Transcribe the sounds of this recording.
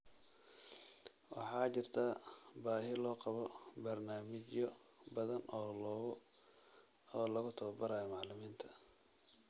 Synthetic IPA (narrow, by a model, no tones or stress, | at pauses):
wɑ̰ħɑːt͡ʃɪrt̪ʰaːbaːɦɪlɔːqɑβɔbɐrnaːmɪt͡ʃjɔbɐðɐnɔː | ɔːlɐɣʊt̪ʰɔːbɐɾaːjɔmɑʕlɪmiːnt̪ʰɐ̥